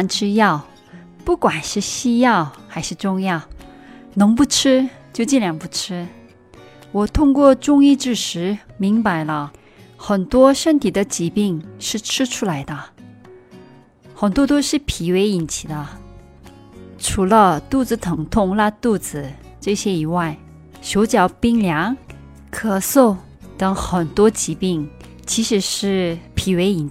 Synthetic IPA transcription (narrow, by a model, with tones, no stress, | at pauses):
nʈ͡ʂʰɻ̩˥jɑ˥˩ʊ | pu˥˩kwa˨˩nʂɻ̩˥˩ɕi˥jɑ˥˩ʊxa˧˥ɪʂɻ̩˥˧ʈ͡ʂʊ˥ŋjɑ˥˩ʊ | nɤ˧˥ŋp̬u˥˩ʈ͡ʂʰɻ̩˥t͡ɕjo˥˧ʊt͡ɕi˥˩nlja˧˥npu˥˩ʈ͡ʂʰɻ̩˥ | wɔ˨˩t̪ʰʊ˥ŋkwɔ˥˧ʈ͡ʂʊ˥ŋi˥˧ʈ͡ʂɻ̩˥˩ʂɻ̩˧˥mi˧˥ŋpa˧˩ɪlə˧ | xə˨˩nt̪wɔ˥ʂə˥nt̪ʰi˨˩d̪ə˦t͡ɕi˧˥pi˥˩ŋʂɻ̩˥˩ʈ͡ʂʰɻ̩˥ʈ͡ʂʰu˥la˧˥ɪd̪ə˧ | xə˨˩nt̪wɔ˥t̪o˥ʊʂɻ̩˥˩pʰi˧˥we˧˥ɪi˨˩nt͡ɕʰi˨˩d̪ə˦ | ʈ͡ʂʰu˧˥lə˧t̪u˥˩d͡zɹ̩˧˩t̪ʰɤ˧˥ŋt̪ʰʊ˥˧ŋla˥˧t̪u˥˩d͡zɹ̩˨˩ | ʈ͡ʂɤ˥˩ɕjɛ˥i˨˩wa˥˩ɪ | ɕjo˧˥ʊt͡ɕjɑ˨˩ʊpi˥ŋljɑ˧˥ŋ | kʰɤ˨˩so˥˩ʊ | t̪ɤ˧˥ŋxə˨˩nt̪wɔ˥t͡ɕi˧˥pi˥˩ŋ | t͡ɕʰi˧˥ʂɻ̩˧˥ʂɻ̩˥˩pʰi˧˥we˧˥ɪi˨˩n